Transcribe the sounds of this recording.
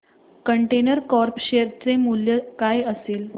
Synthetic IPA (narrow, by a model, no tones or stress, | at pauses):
kəɳʈenəɾkɔɾpɕeɾt͡semuljəkajəseːl